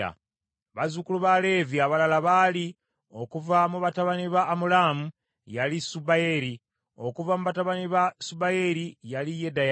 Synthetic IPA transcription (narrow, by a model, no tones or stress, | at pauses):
a̰ | βazukuluβale̞ːviaβalalaβali | o̞kuvamuβataβaniβaːmulamu | jalisubajeɾi | o̞kuvamuβataβaniβasubajeɾijalijedaja